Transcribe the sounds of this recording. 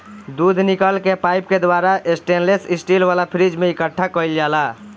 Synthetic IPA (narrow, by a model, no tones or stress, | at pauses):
d̪ud̪ʱnikəlkepajp̚ked̪ʋaɾaʔesʈenlesisʈilʋalapʰɾid͡ʒmeikəʈʰːakəjld͡ʒala